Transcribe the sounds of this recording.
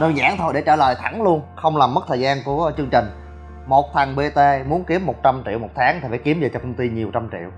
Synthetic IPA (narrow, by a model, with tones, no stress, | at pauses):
ɗəː˧nza̰ː˧˥˩ŋt̪ʰo˧jɗe˧˩t͡ɕəː˧˩lə̰ː˨jt̪ʰa˧˩ŋlu˧ənxə˧wŋ͡mlaː˨˩mːə˦˥t̚t̪ʰəː˨˩jzaː˧nku˧˩ət͡ɕɨ˧əŋt͡ɕï˨˩ŋ̟ | mo˨˩t̚t̪ʰa˨˩ŋɓe˧t̪e˧mu˨˦ənki˨˦əmːo˨˩t̚t͡ɕa˧mt͡ɕḭ˧˨wmo˨˩t̪ʰaː˨˦ŋt̪ʰi˨˩faː˧˩˦ki˨˦əmvəː˨˩t͡ɕɔ˧kə˧wŋ͡mt̪i˧ɲi˨˩əwt͡ɕa˧mt͡ɕḭ˧˨w